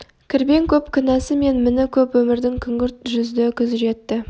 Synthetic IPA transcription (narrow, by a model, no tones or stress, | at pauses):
kʲʰɪɾbe̞ŋkʲʰɵpkʲʰɪnɑsəme̞nmɪnɪkʲʰɵpwɵmɪɾd̪ɪŋkʲʰʏŋɡʲɪɾt̪ʒʏzd̪ɪkʲʰʏzɪʒe̞t̪ːɪ